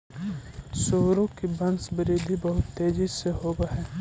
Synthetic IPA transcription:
soːɾõkibɐnsbəɾiːd̪ibɐɦʊt̪ːeːd͡ʒizseɦoːɡaɦɛː

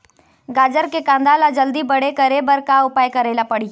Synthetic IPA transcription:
ɡaːd͡ʒəɾkekãːnd̪aːlad͡ʒəld̪ibɐɽekɐɾebɐɾkaʊpaːjkɐɾeːlapɐɽi

